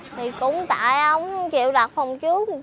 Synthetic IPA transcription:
t̪ʰi˨˩kʊ̰˧˥ŋ͡mt̪a̰ː˧˨jʔə˧wŋ͡mt͡ɕḭ˧˨əwɗa˨˩t̚fa˨˩wŋ͡mt͡ɕɨ˦˥ək̚

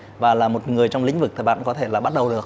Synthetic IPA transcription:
vaː˨˩laː˨˩mo˨˩t̚ŋɨ˨˩əjt͡ɕɔ˧ŋ͡mḭ̈˧˥ŋ̟vɨ˨˩k̚t̪ʰəː˨˩ɓa̰ː˧˨nkɔ˨˦t̪ʰe˧˩laː˨˩ɓa˦˥t̚ɗə˨˩wɗɨ˨˩ək̚

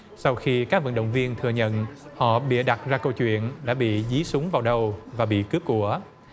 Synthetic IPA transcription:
sa˧wxi˧kaː˦˥k̚və̰˧˨nɗə̰˧˨wŋ͡mvi˧ənt̪ʰɨ˨˧˩əɲə̰˧˨nhɔ̰˧˨ɓḭ˧˨əɗa˨˩t̚zaː˧kə˧wt͡ɕwḭ˧˨ənɗa̰ː˧˥ɓḭ˧˨zi˨˦sʊ˨˦ŋ͡mvaː˨˩wɗə˨˩wvaː˨˩ɓḭ˧˨kɨ˦˥p̚kːu˧˩ə

